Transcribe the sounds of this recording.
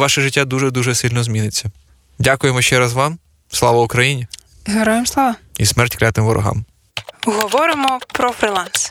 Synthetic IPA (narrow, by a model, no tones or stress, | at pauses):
ʋɑʃɛʒɪtʲːad̪uʒɛd̪uʒɛsɪlʲnɔzmʲinɪt͡sʲːɐ | dʲakʊjemɔʃt͡ʃɛɾɑzʋɑm | slˠɑʋɐʊkɾɐjinʲi | ɦɐɾɔjɪmslˠɑʋɐismɛrtʲklʲat̪ɪmʋɔɾʔɔ̰ɦɑ̰m | ɦɔʋɔɾɪmɔpɾɔfɾʲilˠans